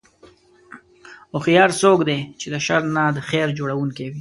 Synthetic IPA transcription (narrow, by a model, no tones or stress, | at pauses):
ʊxjɑːɾsokd̪et͡ʃed̪əʃaɾnad̪əxeɾd͡ʒoɽawuŋkewi